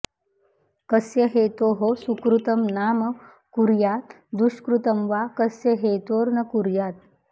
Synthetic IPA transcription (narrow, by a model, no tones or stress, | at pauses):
kəsjəɦet̪oɦosukɾut̪əmnamə | kuɾjat̪ | d̪uɕkɾut̪əmʋakəsjəɦet̪oːɾnəkuɾjat̪̚